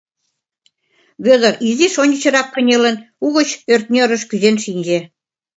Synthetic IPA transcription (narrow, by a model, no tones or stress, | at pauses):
βʲøðɤ̆ɾiziʃonʲət͡ɕɤ̆ɾɑkːɤ̆nʲelĕn | uɣə̆t͡ɕørt̪̚nʲøɾə̆ʃkyzenʃinʲd͡ʑĕ